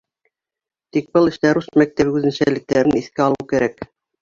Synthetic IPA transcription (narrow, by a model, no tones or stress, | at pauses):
t̪ik̚bɤlˠɘ̆ʃt̪æɾusmæk̚t̪æβʉðɘ̆nɕælɘ̆k̚t̪æɾɘniθkæɑlˠɤwkæɾæk